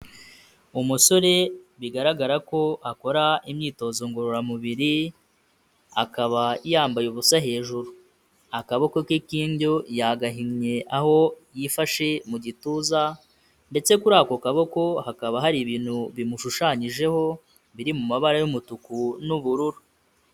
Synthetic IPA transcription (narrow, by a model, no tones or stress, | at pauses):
umuso̞ɾe̞βiɡaɾaɡaɾako̞ʔako̞ɾaimɲiːto̞ːzo̞ŋɡoɾoɾamuβiɾi | akaβaijaːmbajoβusaɦe̞ːʒuɾu | akaβo̞kokikiːɲɟojaɡaɦiŋɲe̞ʔaho̞jifaʃe̞muɟituːza | nde̞t͡se̞kuɾaːkokaβoko̞hakaβaɦaɾiβiːn̥huβimuʃuʃaɲiʒe̞ho̞ | βiɾimumaβaɾajumutukunuβuɾuɾu